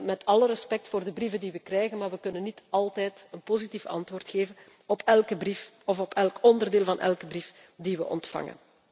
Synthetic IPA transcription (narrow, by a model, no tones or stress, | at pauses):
mɛtʰɑləɾəspɛk̚tfoːrdəbrivəndiʋəkrɛjɣənmaːrʋəkɵnənːitɑlˠtɛːjtənpozitifɑ̰ntwoːrtxeːvən | ɔpʰɛlˠkəbrif | ɔfɔpʰɛlkɔndərdeːlˠvɑnʔɛ̰lkəbrif | diʋəʔɔ̰ntfɑ̰ŋə̰n